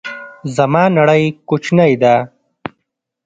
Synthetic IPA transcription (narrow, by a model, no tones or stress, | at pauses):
zɐmɑːnɐɽəjkut͡ʃnajd̪a